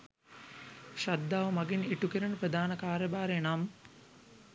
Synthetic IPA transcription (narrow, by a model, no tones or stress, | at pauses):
ʃad̪ːaːʋɐmaɡiniʈukiɾənəprəd̪aːnəkaːɾjɐbaːɾenam